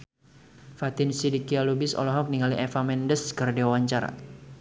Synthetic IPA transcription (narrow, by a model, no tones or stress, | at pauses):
fat̪ɪnsidikialubɪsɔ̰lɔɦɔk̚niŋaliʔɛfamɛndəskərdewaɲt͡ʃaɾa̰